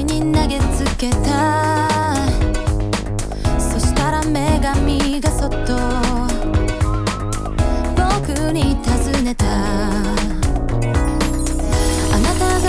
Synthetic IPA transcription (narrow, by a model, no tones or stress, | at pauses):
iɲinaɡe̞t͡sɨke̞t̪a | so̞ɕi̥t̪aɾame̞ɡamʲiɡaso̞t̪ːo | bokɯ̟ɲ̟it̪azɨne̞t̪a | anat̪az